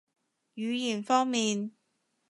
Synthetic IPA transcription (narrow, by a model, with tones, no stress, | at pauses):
jyː˨˧jiː˨˩nfɔː˥ŋmiː˨n